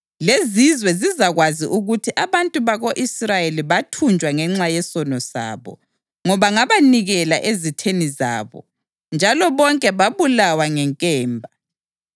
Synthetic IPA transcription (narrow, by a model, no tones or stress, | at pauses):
lezizwɛzizaɣwaziʔuɣutʰiʔaβantʼuβaɣoʔisrajeliβatʰund͡ʒʱwaŋɛŋ͡ǁajɛsɔnɔsa̰ːβɔ̰ | ŋɔβaŋaβaniɣɛlaʔezitʰeniza̰ːβɔ̰ | nd͡ʒʱalɔβɔŋkʼɛβaβulawaŋɛŋkʼɛːmbʱa